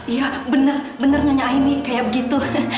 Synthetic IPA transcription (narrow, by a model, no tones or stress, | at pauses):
ijabənərbənərŋaɲaʔainikajaʔbəɡit̪u